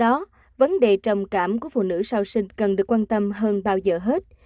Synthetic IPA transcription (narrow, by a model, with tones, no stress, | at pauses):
ɔ˨˦ | və˨˦nɗe˨˩t͡ɕɔ˨˩wŋ͡mkaː˧˩mku˧˩əfṵ˧˨nɨ̰˧˥saː˧wsï˧ŋ̟kə˨˩nɗɨ˨˩əkːwaː˧nt̪ə˧mɦəː˧nɓaː˧wzəː˨˩ɦe˦˥t̚